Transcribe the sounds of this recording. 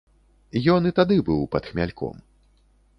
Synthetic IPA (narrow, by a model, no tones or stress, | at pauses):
jɔnit̪ad̪ɨbɨwpɐt̪xmʲalʲkɔ̰m